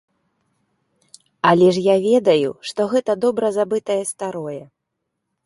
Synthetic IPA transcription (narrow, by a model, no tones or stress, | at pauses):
ɐlʲɛʂjavʲɛd̪ɐjṵʂt̪ɔɣɛt̪ɐd̪ɔbɾɐzabɨt̪ɐjɛst̪aɾɔjɛ